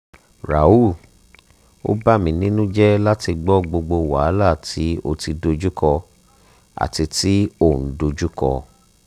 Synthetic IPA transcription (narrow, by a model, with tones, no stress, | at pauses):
ɾa̰˨u˦˨ | o̰˦ba˦mĩ˧nĩ˦nũ˦d͡ʒɛ˦la˦ti˧ɡ͡bɔ˦ɡ͡bo˧ɡ͡bo˧wa̰˨˦la˦˨ti˨˦o˧ti˧do˧d͡ʒu˦kɔ˧ | a̰˨ti˧ti˦o˦˨n̩˨˦do˧d͡ʒu˦kɔ̰˧